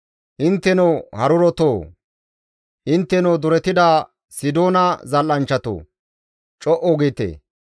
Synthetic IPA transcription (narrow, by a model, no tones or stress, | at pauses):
hɪnt̪ːɛnɔwhɐɾʊɾɔt̪oː | hɪnt̪ːɛnɔd̪ʊɾɛt̪ɪd̪aː | sɪd̪oːnɐzɐlːɐnt͡ʃːɐt̪o̰ː | t͡ʃʼɔʔoɡiːt̪ḛː